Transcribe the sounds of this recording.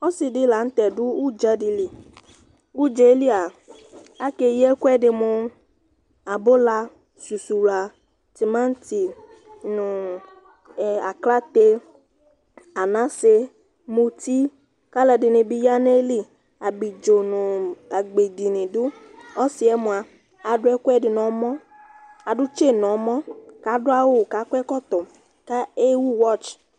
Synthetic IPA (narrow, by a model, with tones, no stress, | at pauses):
ɔ˦si˨dɪ˦la˨n̩˦t̪ɛ˨dʊ˦u˦˨d͡ʒa˦di˧li˨ | ɡu˦d͡ʒe˨˦li˦a˨ | a˦ke˧jɛ˦ku˦ɛ˦˨dɪ˧mũ˧ | a˨bo˦la˧ | su˨su˨la˨ | ti˨mã˦n̩˦ti˨ | nũ˨ | a˨kla˦t̪e˧ | a˨nã˦se˧ | mo˧ti˦ | ka˦lɛ˨dɪ˨nɪ˧bi˧ja˦ne˦li˦ | a˨bi˨d͡ʒo˨nʊ˨a˨ɡ͡be˨di˨nĩ˨dʊ˦ | ɔ˦sɪ˨ɛ˦mʊ̃˨a˨ | a˨dʊ˦ɛ˦kwɛ˦˨dɪ˨n˨ɔ˨˦mɔ̃˦ | a˨dʊ˦t͡ʃe˦˨n˨ɔ˨˦mɔ̃˦ka˨˦dʊ˦a˦wʊ˦˨ka˨˦kʷɛ˦kɔ˦t̪ɔ˨ | ka˦e˦wu˦wɔ˦˨t͡ʃ